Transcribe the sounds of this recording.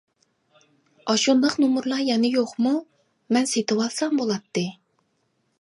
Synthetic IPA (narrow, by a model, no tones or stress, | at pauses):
ɑʃund̪əqnumuɾlˠɑjɛnɪjoqmu | mɛnset̪ɨwɑlˠsɑmbolˠɑt̪ːɨ